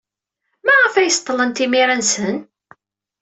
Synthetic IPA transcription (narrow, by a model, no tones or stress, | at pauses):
mæʁəfæjəst̪ˤːələnt̪imiɾænsən